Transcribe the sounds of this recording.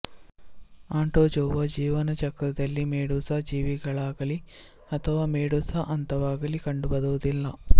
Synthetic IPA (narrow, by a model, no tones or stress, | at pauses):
aːɳʈoːd͡ʒoːʋɐd͡ʒiːʋɐnɐt͡ʃɐkɾɐd̪ɐlːimeːɽuːsɐd͡ʒiːʋiɡɐɭaːɡɐli | ɐt̪ʰɐʋaːmeːɽuːsaʔɐnt̪ɐʋaːɡɐlikɐɳɖubɐd̪ɐʋɐd̪ilːɐ